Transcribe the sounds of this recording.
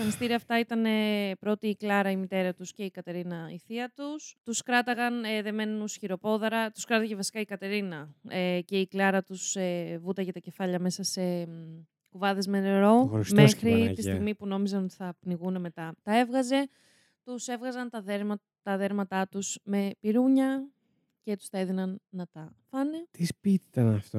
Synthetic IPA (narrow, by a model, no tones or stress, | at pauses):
t̪ɐnist̪iɾiɐft̪ɐit̪ɐne̞pɾo̞t̪iːklɐɾɐimit̪e̞ɾɐt̪usce̞ikɐt̪e̞ɾinɐiθiɐt̪ust̪uskɾɐt̪ɐɣɐneðe̞me̞nnusçiɾo̞po̞ðɐɾɐt̪u̥skɾɐt̪ɐcevɐsi̥kɐikɐt̪e̞ɾinɐece̞iklɐɾɐt̪usevut̪ɐʝet̪ɐce̞fɐʎɐme̞sɐse̞ | kuvɐðe̞zmeneɾo̞ɾsmexɾiist̪iɣmipuno̞mizɐno̞t̪i̥θɐpniɣune̞me̞t̪ɐt̪ɐe̞vɣɐze̞ | t̪use̞vɣɐzɐnt̪ɐðeɾ | t̪ɐðe̞ɾmɐt̪ɐt̪usme̞piɾuɲɐ | ce̞t̪u̥st̪ɐeðinɐnːɐt̪ɐfɐne̞t̪ispit̪it̪ɐnɐft̪o